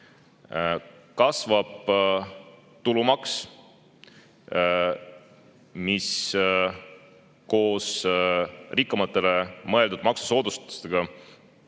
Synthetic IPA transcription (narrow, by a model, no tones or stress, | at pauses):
kɑsvɑb̥̚ | t̪ulumɑks | mis | ko̞ːs | rikːˑɑmɑt̪ːˑe̞lemɤ̞e̞ld̪ud̪̚mɑksu̥so̞ːd̪̥ust̪t̪u̥st̪eɡ̥ɑ